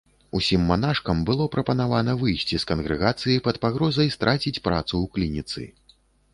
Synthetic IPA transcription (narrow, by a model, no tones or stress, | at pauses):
usʲimːanaʂkɐmbɨlˠɔpɾɐpɐnavanɐvɨjsʲt͡sʲiskɐnɣɾɨɣat̪sɨjipɐt̪paɣɾɔzɐjst̪ɾʔat͡sʲit͡sʲpɾa̰t̪suwklʲinʲit̪sɨ̰